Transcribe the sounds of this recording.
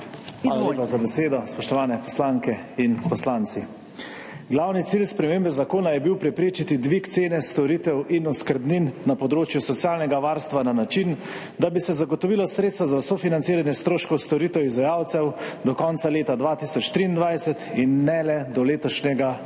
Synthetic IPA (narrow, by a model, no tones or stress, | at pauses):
xʋalaeːpazabɛseːd̪ɔspɔʃt̪ɔʋaːnɛpɔ̥slaŋkɛinpɔslant̪si | ɡlawnit̪silspɾɛmeːmbɛzakoːnajɛbiwpɾɛpɾeːt͡ʃit̪id̪ʋikt̪seːnɛst̪ɔɾit̪ɛwʔinɔskəɾbninːapɔd̪ɾoːt͡ʃjusɔt̪sjaːlnɛɡaʋaɾst̪ʋananat͡ʃin | d̪abisɛzaɡɔt̪ɔʋilɔsɾeːt̪st̪ʋazasɔfinant̪siːɾanjɛst̪ɾoːʃkɔwst̪ɔɾit̪ɛwizʋajawt̪sɛwd̪ɔkɔnt̪saleːt̪ad̪ʋat̪isɔt͡ʃt̪ɾiːnd̪ʋajsɛt̪inːɛlɛd̪ɔleːt̪ɔʃnɛɡa